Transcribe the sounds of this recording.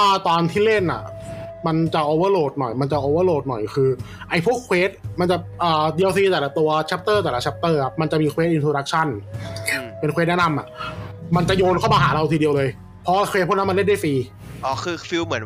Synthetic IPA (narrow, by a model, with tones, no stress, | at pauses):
aː˧˩t̪ɔː˧nt̪ʰiː˥˩le˥˩nʔa̰˨˩ | ma˧nt͡ɕa˨˩ʔoː˧wɤː˧˥˨loː˨˩t̪̚nɔ̰˨˩jma˧nt͡ɕa˨˩ʔoː˧˩wɤː˧˥˩loː˥˩t̪̚nɔ̰˨˩jkʰɯː˧ | ʔa˧jpʰu˦˥ə˨kʰweː˦˥t̪̚ma˧nt͡ɕa˨˩ʔəː˨˩di˧ə˧wsiː˧t̪ɛː˨˩la˦˥t̪u˧ɐt͡ɕʰa˦˥p̚t̪ɤː˥˩t̪ɛː˨˩la˧˦t͡ɕʰa˦˥p̚t̪ɤː˥˩kʰa˦˥p̚ma˧nt͡ɕa˨˩ʔmiː˧kʰweː˦˥ʔi˧ntʰɾoː˧ɾa˦˥k̚t͡ɕʰa˥˩n | pe˧nkʰwe˦˥t̪̚nɛ˥na˧mʔa̰˨˩ʔma˧nt͡ɕa˨˩joː˧nkʰa˥˩maː˧ɦa̰ː˩˦ɾa˧wt̪ʰiː˧di˧əwlɤː˧j | pʰɔ˦˥wa˧˩kʰwe˧˦˥t̪̚ʰuː˦˥˨na˦˥ma˧le˥˩nda˥˩fiː˧ | ʔɔː˧˩kʰɯː˧fi˧˥wmɯ˩˦ə˦